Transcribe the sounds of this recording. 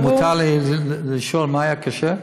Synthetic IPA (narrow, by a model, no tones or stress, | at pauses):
mut̪ʰallɪʃolmaːajakʰaʃɛ